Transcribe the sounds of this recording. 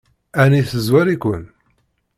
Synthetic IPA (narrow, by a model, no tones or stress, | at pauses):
æniθəzwæɾikʷə̰n